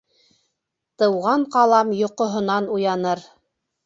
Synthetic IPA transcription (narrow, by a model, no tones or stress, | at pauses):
t̪ɤ̆wʁɑɴqɑlˠɑmjŏqŏɦŏnɑnujɑnɤɾ